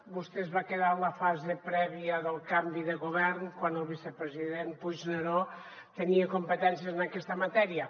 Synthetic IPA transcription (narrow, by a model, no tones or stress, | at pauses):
bust̪ezβakeðaləfazepɾɛβiəðəlˠkambiðəɣuβɛɾnkwanəlˠβisəpɾəziðenpuʒneɾo | t̪əniəkumpət̪ɛnsjəznəkɛst̪əmɐt̪ɛɾiə